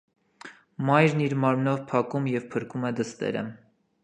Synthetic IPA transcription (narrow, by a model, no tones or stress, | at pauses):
mɑjɾniɾmɑɾmnɔvpʰɑkumjɛvpʰəɾkumɛd̪əst̪ɛ̰ɾə̰